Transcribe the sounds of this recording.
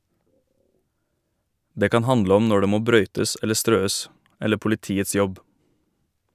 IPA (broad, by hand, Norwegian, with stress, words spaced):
ˈdeː ˈkɑːn ˈhɑndlə ˈɔm ˈnɔ ˈɖeː ˈmoː ˈbɾœʏtəs ˈɛlə ˈstɾøːəs ˈɛlə pʊlɪˈtiːəts ˈjɔb